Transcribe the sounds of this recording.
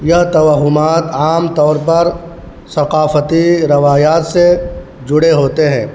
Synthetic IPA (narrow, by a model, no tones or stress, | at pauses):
jɐɦt̪ɐʋaɦʊmaːt̪aːmt̪ɔːɾpɐɾ | sɐqaːfət̪iɾɪʋaːjaːt̪se | d͡ʒʊɽeɦoːt̪eɦɛ̃ː